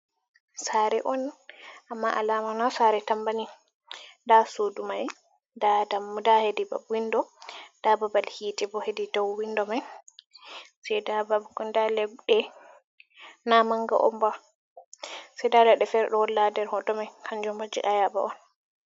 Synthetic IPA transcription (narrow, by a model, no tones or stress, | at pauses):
saɾɛʔɔnʔamːaʔa̰laːmanasaɾɛtambani | ndasodumaj | dadamdahediba̰bwindɔd̥ababalhitɛbɔhedidawwindɔmaj | sɛjdababɡɔndalɛɡɗɛ | namaŋɡa̰ʔɔmba | sɛjdadaɗɛfɛɾɗɔwɔlːadɛɾhɔdɔmajkʰand͡ʒɔmbad͡ʒḭʔajaba̰ʔɔn